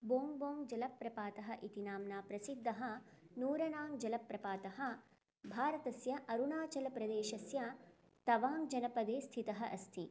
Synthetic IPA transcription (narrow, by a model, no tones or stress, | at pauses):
boːŋɡboːŋd͡ʒɐlɐpːɾɐpaːt̪ɐɦɐʔit̪inaːmnaːpɾɐsid̪ʱːɐɦɐ̆nuːɾɐnaːŋd͡ʒɐlɐpːɾɐpaːt̪ɐɦɐ̆ | bʱaːɾɐt̪ɐsjɐʔɐɾunaːt͡ʃɐlɐpɾɐd̪eːʃɐsjɐ | t̪ɐʋaːŋɡd͡ʒɐnɐpɐd̪eːst̪ʰit̪ɐɦɐʔɐst̪ʰi